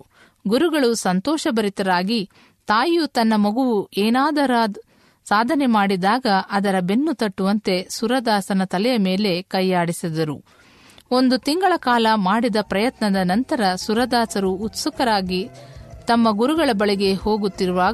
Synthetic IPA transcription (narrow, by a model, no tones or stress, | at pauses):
ɡuɾuɡɐɭusɐnt̪ɔːʃɐbɐɾit̪ɐɾaːɡi | t̪aːjut̪ɐnːɐmɐɡuʋueːnaːd̪ɐɾaː | saːd̪ʱɐnemaːɽid̪aːɡɐʔɐd̪ɐɾɐbe̞nːut̪ɐʈːuʋɐnt̪e̞suɾɐd̪aːsɐnɐt̪ɐlɛjɐme̞ːle̞kɐjːaːɽisid̪ɐɾu | o̞nd̪ut̪iŋɡɐɭɐkaːlɐmaːɽid̪ɐpɾɐjɐt̪nɐd̪ɐnɐnt̪ɐɾɐsuɾɐd̪aːsɐɾuːt̪sukɐɾaːɡit̪ɐmːɐɡuɾuɡɐɭɐbɐɭiɡe̞ho̞ːɡut̪ːiɾuʋaː